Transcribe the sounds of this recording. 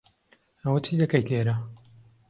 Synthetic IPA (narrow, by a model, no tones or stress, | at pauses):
ɐwɐt͡ʃʰiːd̪ɐkɐjt̪eːɾa